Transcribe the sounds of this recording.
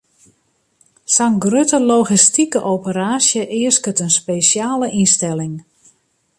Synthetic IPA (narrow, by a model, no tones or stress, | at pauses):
saŋɡrøtəloɣistikəʔowpəɾaːsjəʔɪəskətənspesjaːləʔinstɛlɪŋ